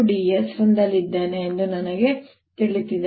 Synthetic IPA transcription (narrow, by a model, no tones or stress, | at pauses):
ɖijesɾɐnd̪ɐlːid̪ːeːneːnd̪unɐnɐɡe | t̪iɭit̪id̪